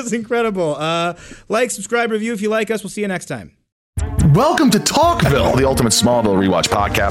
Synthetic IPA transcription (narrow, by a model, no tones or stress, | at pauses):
sɨ̃nkʰɹ̥ɛɾɨbl̩ˠʌlaɪksəb̥skɹaɪbɹɨvjʉɨfjɨlaɪkʌswəlˠsiɨnɛkstʰãɪ̃m | wɛlˠkə̃mtɨtʰɔkvɪ̰lˠðiʌlˠtəmətsmɔlˠvɪlˠɹiwɑ̰t͡ʃpʰɑ̰d̚kʰæ̰